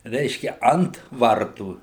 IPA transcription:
ˈrʲɛɪʃʲkʲɛ ˈɐnt ˈʋɐrtuː

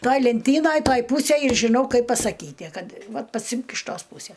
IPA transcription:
ˈtɐj lʲɛnʲˈtʲiːnɐj ˈtɐj ˈpuːsʲeːj ɪr ʒʲɪˈnɐʊ ˈkɐɪp pɐsɐˈkʲiːtʲɪ ˈkɐt ˈʋɐt pɐˈsʲɪmk ɪʃ ˈtoːs ˈpuːsʲɛ

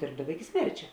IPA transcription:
ˈdʲeːrbdɐʋɐ ɪkʲɪ ˈsʲmʲɛrʲt͡ʃʲɛ

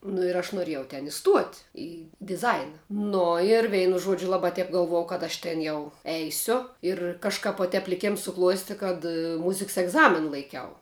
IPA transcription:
nʊ ɪr ˈɐʃ nʊˈrʲeːjɛʊ tʲɛn ɪˈstuɔtʲ ɪ dʲɪˈzɐɪnɐ ˈnoː ɪr ˈʋʲɛɪnʊ ˈʒuɔd͡ʒʲʊ ˈlˠɑːbɐ ˈtʲɛp ɡɐlˠˈʋuɔjɛʊ kɐt ˈɐʃ ˈtʲɛn jɛʊ ˈɛɪsʲʊ ɪr kɐʃˈkɐp ʋoː ˈtʲɛp lʲɪˈkʲeːms sʊˈklˠuɔsʲtʲɪ kɐt ˈmʊzʲɪks ɛɡˈzɑːmʲɪnɐ lˠɐɪˈkʲɛʊ

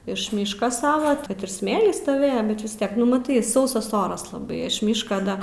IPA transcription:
ɪʃ ˈmʲiːʃkɐ ˈsɑːʋɐ ˈtɐt ɪr ˈsʲmʲeːlʲiː stoːˈʋʲeːjɛ bʲɛt ʋʲɪs ˈtʲiɛk nʊ mɐˈtɐɪ ˈsɐʊsɐs ˈoːrɐs lˠɐˈbɐɪ ɪʃ ˈmʲiːʃkɐ ˈdɐ

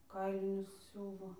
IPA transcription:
ˈkɐɪlʲɪnʲʊs ˈsʲuːʋoː

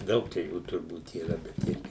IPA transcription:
ˈdɐʊk t͡ʃʲɛ ˈjuː tʊrˈbuːt iːˈrɐ bʲɛt ˈɪrʲɡʲɪ

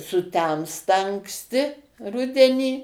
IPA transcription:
sʊˈtʲɛmstɐ ɐŋksʲˈtʲɪ ˈrʊdʲɛnʲiː

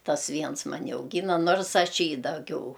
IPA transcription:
ˈtɐs ˈʋʲiɛns mɐˈnʲɪ ɐʊˈɡʲiːnɐ ˈnoːrsˈɐʃ ˈjiː dɐˈɡʲɛʊ

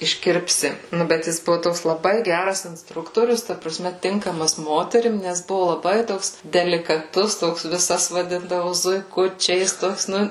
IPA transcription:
ɪʃʲˈkʲɪrʲpʲsʲɪ ˈnʊ bʲɛt ˈjɪs ˈbʊʋʊ ˈtoːks lˠɐˈbɐɪ ˈɡʲærɐs ɪnsˈtrʊktoːrʲʊs tɐ prɐˈsʲmʲɛ ˈtʲɪŋkɐmɐs ˈmoːtʲɛrʲɪm nʲɛs ˈbʊʋʊ lˠɐˈbɐɪ ˈtoːks dʲɛlʲɪkɐˈtʊs ˈtoːks ʋʲɪˈsɐs ʋɐˈdʲɪndɐʋʊ zʊɪˈkʊt͡ʃʲɛɪs ˈtoːks ˈnʊ

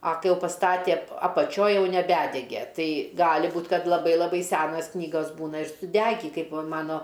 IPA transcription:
ɐ ˈkɐɪ ˈjɛʊ pɐsˈtɑːtʲeː ɐpɐˈt͡ʃʲoːj ˈjɛʊ nʲɛˈbʲædʲɛɡʲɛ ˈtɐɪ ˈɡɑːlʲɪ ˈbuːt ˈkɐt lˠɐˈbɐɪ lˠɐˈbɐɪ ˈsʲæːnɐs ˈknʲiːɡɐs ˈbuːnɐ ɪr sʊˈdʲæːɡʲiː ˈkɐɪp ʋɐ ˈmɑːnoː

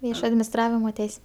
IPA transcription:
ˈʋʲiɛʃoː ɐdʲmʲɪnʲɪsˈtrɑːʋʲɪmoː ˈtʲɛɪsʲ

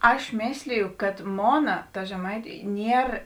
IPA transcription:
ˈɐʃ ˈmʲeːsʲlʲɪjʊ kɐt ˈmoːnɐ tɐ ʒʲɛˈmɐɪtʲʊ ˈnʲiɛr

